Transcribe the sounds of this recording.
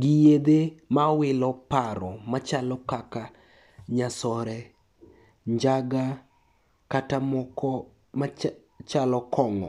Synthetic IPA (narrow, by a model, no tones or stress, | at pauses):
ɡɪjed̪emawɪlɔpaɾɔmat͡ʃalɔkaka | ɲasɔɾɛ | ɲd͡ʒaɡa | katamɔkɔ | ma | t͡ʃalɔkʰɔŋɔ̰